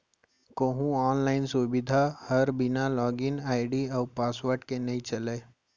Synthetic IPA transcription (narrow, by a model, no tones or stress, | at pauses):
koːɦũɔːnlaːɪnsubɪd̪ʱahɐɾbɪnalɔːɡɪnaːɪɖiɔːpaːsʋaːɾʈkenɐĩt͡ʃɐleː